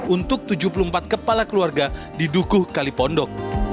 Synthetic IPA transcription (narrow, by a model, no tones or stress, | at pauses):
unt̪ʊk̚t̪ud͡ʒup̬ulumpat̪̚kəpalakəluarɡa | didukʊhkalipɔndɔk̚